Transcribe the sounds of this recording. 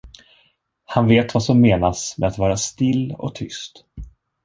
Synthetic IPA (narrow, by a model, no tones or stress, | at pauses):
hanveːt̪vasɔmːeːnasmɛ̰at̪vɑːɾast̪ɪlːɔ̰k̚t̪ʰʏst̪